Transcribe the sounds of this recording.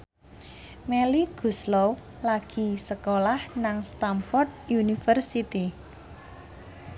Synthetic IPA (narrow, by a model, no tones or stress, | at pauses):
meliɡ̥ṳslow | laɡ̥i̤səkolahnaŋst̪amfɔrt̪̚junifərsit̪i